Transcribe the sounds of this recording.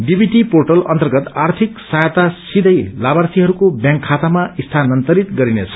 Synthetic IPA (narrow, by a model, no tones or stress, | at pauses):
ɖibʱiʈiporʈʌlʌ̰nt̪ʌrɡʌt̪art̪ʰiksajt̪asid̪ʱʌjlabarsiɦʌɾukobjãŋkʰːat̪amaist̪ʰanʌnt̪ʌɾit̪ɡʌɾinet͡sʰʌ̥